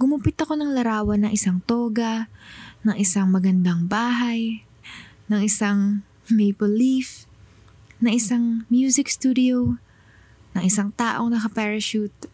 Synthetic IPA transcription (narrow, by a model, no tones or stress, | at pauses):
ɡ̥ʊmʊpɪt̪ɐko̞nɐŋlɐɾaːwɐnɐŋʔɪsaŋt̪oːɡɐ | nɐŋʔɪsaŋmɐɡɐnd̪aŋbaːɦaj | nɐŋʔɪsaŋ | mɛjpolif | nɐŋʔɪsaŋmjuːsɪkst̪uːd̪ɪow | nɐŋʔɪsaŋt̪aːʔo̞ŋnɐkɐpɛːɹɐʃut̪̚